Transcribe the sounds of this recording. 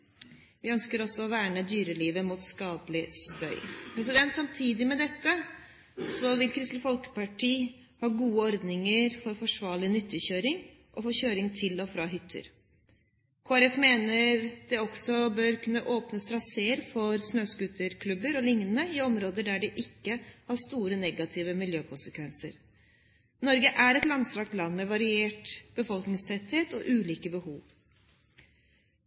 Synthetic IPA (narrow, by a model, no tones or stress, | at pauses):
ʋɪœnskəɾɔsːɔɔʋæːɳəd̪yːɾəliːʋəmuːt̪skɑːd̪lɪst̪œʏpʰɾɛs̬ɪd̪ɛnt̪sɑmt̪ʰiːd̪ɪmɛd̪ɛkːə | sɔʋɪlkʰɾɪst̪ləfɔlkə̥pɑʈiː | hɑːɡuːəɔɾd̪nɪŋəɾfɔɾfɔʂʋɑːɭɪnʏt̪ʰːəçøːɾɪŋ | ʔɔfoːçøːɾɪŋt̪ʰɪlɔfɾɑːɦʏt̪ʰːə̰ɾ | kʰoːæɾɛfmeːnəɾd̪̥ɛɔɡsɔbøːɾkʰʉnːəʔoːpnəst̪ɾɑseːəɾfɔɾsnøːskʉːt̪ʰəɾkʰlʉbəɾɔlɪŋnənəɪɔmɾoːd̪əɖæɖɛʔɪkːəhɑʂt̪uːɾənɛɡɑt̪ʰiːʋəmɪljøːkʰʊnsəkʋɛnsə̰ɾ | nɔɾɡəʔæɾɛt̪lɑnsɾɑːk̚t̪lɑnːmɛʋɑɾɪeːʈb̥əfɔlknɪŋst̪ʰɛt̪heːt̪ɔ̰ʔʉːliːkəbəhuːʋ